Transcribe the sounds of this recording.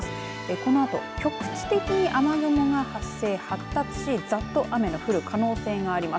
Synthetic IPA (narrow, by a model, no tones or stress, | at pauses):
eko̞no̞at̪o̞̰kʲo̞kɯ̥t͡ɕi̥t̪e̞kʲiɲ̟iʔamaɡomoŋahasːe̞ːhat̪ːat͡sɨ̥ɕid͡zat̪ːo̞ʔame̞no̞ɸɯ̟ɾɯ̟kʰano̞ːse̞ːŋaːɾʲima